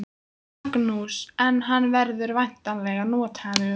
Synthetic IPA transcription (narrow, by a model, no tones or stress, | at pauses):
knusɛnɦanːvɛɾðʏɾvajn̥t̪alɛːɣanɔːt̪ʰaʏ